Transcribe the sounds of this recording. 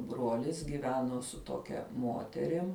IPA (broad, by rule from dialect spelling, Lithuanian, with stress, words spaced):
ˈbruɔlʲɪs ɡʲɪˈʋʲæːnoː sʊ ˈtoːkʲɛ ˈmoːtʲɛrʲɪm